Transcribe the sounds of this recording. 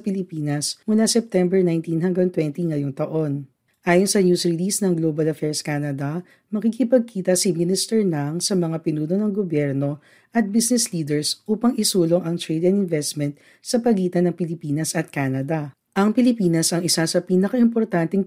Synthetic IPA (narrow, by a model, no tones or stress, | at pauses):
pɪlɪpiːnɐsmʊlasɛp̚t̪ɛmbɛɹnajnt̪inɦɐŋɡaŋt̪wɛnt̪iŋɐjoŋt̪ɐʔo̞n | ʔaːjonsɐnjusɹɪlisnɐŋɡlobɐlɐfɛɹskanɐd̪ɐ | mɐkikɪpɐɡ̚kʰiːt̪ɐsiminɪst̪ɛɹnɐŋsɐmɐŋapɪnuːnonɐŋɡobjɛɾno̞ | ʔɐt̪̚bisnɛsliːd̪ɛɹsʔuːpɐŋɪsuːlo̞ŋɐŋt̪ɹɛd̪ɛnɪnvɛst̪mɛnt̪̚ | sɐpɐɡiːt̪ɐnɐŋpɪlɪpiːnɐsɐt̪̚kanɐd̪ɐ | ʔɐŋpɪlɪpiːnɐsɐŋɪsasɐpiːnɐkɐʔɪmpoɾt̪ant̪ɛŋ